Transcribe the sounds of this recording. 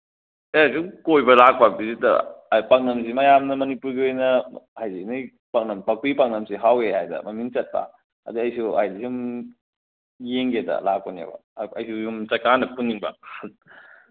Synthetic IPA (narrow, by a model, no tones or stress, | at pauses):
esuŋkojbɐlak̚pabizitɐ̰paŋnɐms̬imɐjamnɐmɐnipuɾɡiojnɐhajzinɐj | paŋnɐmpak̚ipaŋnɐmsiɦawehajdɐ̰mɐmiŋt͡ʃɐt̚bɐ̰ | ɐ̰diɐjsuhajzisium | jeŋɡedɐ̰lak̚pɐnja̰bɐ̰ɐjsujumt͡ʃɐkanɐpunːiŋbɐ̰